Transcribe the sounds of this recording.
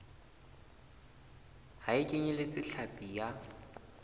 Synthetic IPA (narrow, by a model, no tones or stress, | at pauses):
haɪkʼeɲɛlet͡sʼɪɬʰapʼija